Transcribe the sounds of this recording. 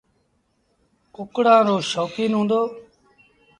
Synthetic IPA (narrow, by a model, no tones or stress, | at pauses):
ʊkɽãːɾoːʃɔːkiːnɦũːnd̪oː